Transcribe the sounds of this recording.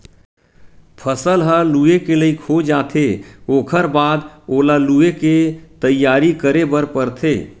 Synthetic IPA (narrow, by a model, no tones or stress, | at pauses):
pʰəsəlɦəluekeləikʰod͡ʒaːt̪ʰeoːkʰəɾbaːd̪olalueket̪əjːaːɾikəɾebəɾpəɾt̪ʰeː